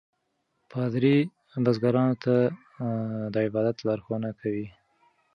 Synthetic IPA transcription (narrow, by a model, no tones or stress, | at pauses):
pɑd̪ɾi | bazɡaɾɑnot̪a | d̪əɪbɑd̪at̪laɾxonakʰawi